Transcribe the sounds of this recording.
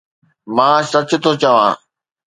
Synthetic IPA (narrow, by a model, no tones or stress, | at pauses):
mãːsɐt͡ɕʊ̆t̪ʰoːt͡ɕɐʋãː